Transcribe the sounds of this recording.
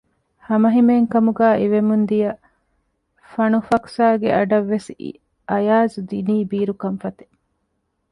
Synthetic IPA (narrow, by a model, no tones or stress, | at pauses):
hɐmɐɦimeːŋkɐmuɡæːʔiʋemund̪ijɐ | fɐnufɐksaːɡeʔɐɖɐʋːes | ɐjaːzud̪iniːbiːɾukɐmfɐt̪e̥